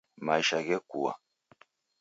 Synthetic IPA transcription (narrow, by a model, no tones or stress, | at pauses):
maiʃaɡekuwa̰